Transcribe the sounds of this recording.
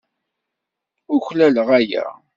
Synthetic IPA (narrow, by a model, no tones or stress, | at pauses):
ʊçlæləʁæjæ̰